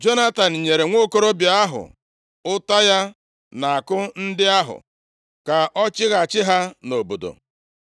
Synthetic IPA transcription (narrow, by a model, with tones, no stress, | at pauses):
d͡ʒo˦na˦ta˨n̩˨ɲe˨ɾe˨ŋʷo˦ko˦ɾo˦bja˦ɦʊ̰˨ | ʊ˦ta˦ja˦ | na˨a˨kʊ˦n̩˦dɪ˦a˦ɦʊ̰˨ | ka˨ʔɔ˦t͡ʃɪ˦ɣa˨t͡ʃɪ˦ɦa˦no˨bo˨do̰˨